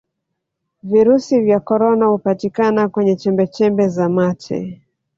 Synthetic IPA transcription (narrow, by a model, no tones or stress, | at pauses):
viɾusivjakɔɾɔnahupatikanakwɛɲɛt͡ʃɛmbɛt͡ʃɛmbɛzamat͡ʃɛ̰